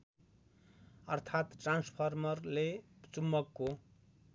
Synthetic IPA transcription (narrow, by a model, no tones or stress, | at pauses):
ʌrt̪ʰat̪ʈranspʰʌrmʌrlet͡sumːʌkːo